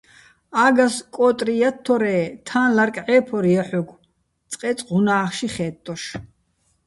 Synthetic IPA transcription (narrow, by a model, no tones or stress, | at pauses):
aːɡaskʼɔːt̪ʼrijat̪ʰːɔɾɛːt̪ʰaːnlaɾkʼʕɛːpʰɔɾiaħɔɡ̪ʷ | t͡sʼqʼɛːt͡sʼʁunaːχʃiχɛːt̪ʼːɔʃ